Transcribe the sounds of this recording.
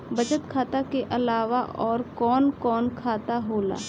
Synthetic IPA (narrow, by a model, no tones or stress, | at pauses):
bɐt͡ʃət̪kʰaːt̪akeʔɐlaːʋaʔɔːɾkɔːnkɔːnkʰaːt̪aɦoːla̰ː